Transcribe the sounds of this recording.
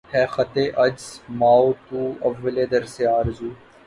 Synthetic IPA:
hɛːxət̪eːʔɐd͡ʒzmaːoːt̪uːɐʋːəleːd̪əɾseaːɾzuː

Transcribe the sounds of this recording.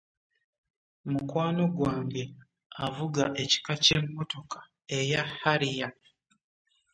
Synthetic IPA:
mukwaːno̞ɡwaːŋɡe̞ | avuɡaʔe̞ci̥kace̞mːo̞to̞kḁ | e̞jahaɾija

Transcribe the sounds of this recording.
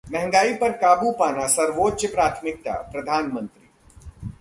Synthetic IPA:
mɛɦɛ̃ŋɡaːipɐɾkaːbupaːnasɐɾʋoːtːʃəpɾaːt̪ʰmɪk̚t̪a̰ːpɾɐd̪ʱaːnmə̃nt̪ɾiː

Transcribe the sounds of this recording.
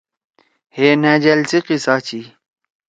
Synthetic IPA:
heːnæd͡ʑɐlsiqisat͡ɕi

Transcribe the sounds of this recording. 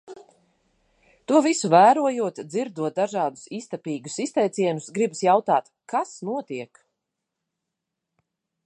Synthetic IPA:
t̪uɔvisuvæːɾuɔjuɔt̪d̪ziɾd̪uɔt̪̚d̪aʒɑːd̪u̥sist̪apʲiːɡusist̪ɛjt̪siɛnʊsɡɾibsjawt̪aːt̪ | kasnuɔt̪iɛk

